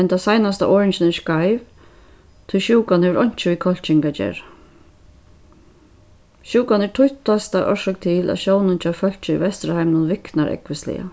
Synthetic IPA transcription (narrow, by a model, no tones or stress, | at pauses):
ɛnt̪ʰasajnast̪a̰ʔɔːɹɪɲt͡ʃɪnɛʂkajv | t̪ʰʊjʃuːkanhɛʋəɾʔɔɲ̥t͡ʃɪʋikʰɔl̥t͡ʃɪŋkat͡ʃɛ̰ːɹ | ʃuːkanɛɹʈ̪ʰʊjt̪ast̪aʔɔ̰ʃɔkt̪ʰɪːlʔæ̰ðʃoːwnɪnt͡ʃʰɑːfœl̥t͡ʃɪḭvɛst̪ɾahajmnʊnʋɪknaɾʔɛ̰kʋɪst̪lɪ̰a̰